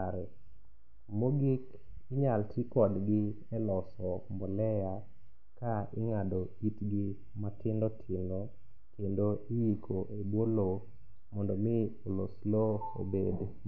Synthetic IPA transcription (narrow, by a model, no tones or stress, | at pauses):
aɾɛ | moɡik | ɪɲaltʰikɔdɡɪ | ɛlɔsɔmbɔlɛja | kaɪŋado | itɡɪ | matɪndɔtʰɪno | kendoɪjikʰoʔebwolo | mɔndɔmɪoloslo | o̰bed